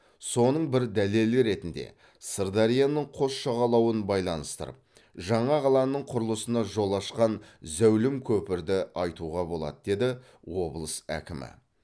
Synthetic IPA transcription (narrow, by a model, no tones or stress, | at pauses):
so̞nəɴbɪɾd̪æle̞lɪɾe̞t̪ɪnd̪e̞̰ | səɾd̪ɑɾijanəɴqʰo̞sʃɑʁɑlˠɑwənbɑjlˠɑnəst̪ə̰ɾə̰p̚ | ʒɑɴɑʁɑlˠɑnəɴqʰʊɾəlˠəsənɑʒo̞lˠɑʃqɑnzæwlɪmkʲʰɵpɪɾd̪ɪɑjt̪uʁɑbo̞lˠɑ̰d̪əd̪e̞d̪ɪ | wo̞blˠəsæ̰kʲɪmɪ̰